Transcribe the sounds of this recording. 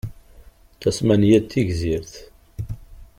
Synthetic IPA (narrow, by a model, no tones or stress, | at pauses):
θæsmænjæt̪ːiʝziɾθ